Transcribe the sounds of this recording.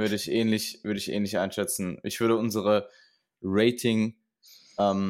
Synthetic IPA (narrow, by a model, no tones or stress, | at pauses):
vʏɐɾəɪçʔɛːnlɪçv̥ʏɐdəɪçʔɛ̰ːnlɪçʔaɪnʃɛt͡sn̩ʔɪçv̥ʏɐɾəʊnzəʁ̞ə | ʁeɪtʰɪŋ | ʔɛːm